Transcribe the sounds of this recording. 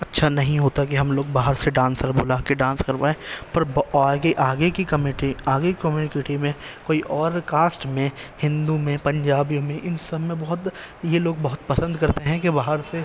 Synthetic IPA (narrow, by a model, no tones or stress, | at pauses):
ɐtːʃʰanɐɦĩɦoːt̪ak̬iɦɐmloːɡ̚baːɦəɾseɖãːnskɐɾbolaːkeɖãːnskɐɾpaːẽːpɐɾbaːɡeʔaːɡekikɐmeʈiaːɡekikɐmjuːnɪkɪʈimẽkoːiʔɔːɾkaːsʈmẽhɪ̃nd̪umẽpɐ̃ɲd͡ʒaːbijõmẽʔɪnsɐbʱmẽbɐɦʊt̪ | jeloːɡ̚bɐɦʊt̪̚pɐsə̃nd̪kɐɾt̪eɦɛ̃kebaːɦəɾse